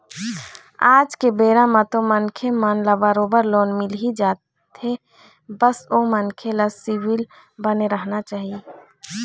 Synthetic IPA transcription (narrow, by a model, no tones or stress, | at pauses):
aːd͡ʒkebeːɾãmãt̪omənkʰemanlabaɾoːbəɾloːnmɪlɦid͡ʒaːt̪ | t̪e | bəsoːmənkʰelasiwɪl | bəneɾəɦnat͡ʃaːɦie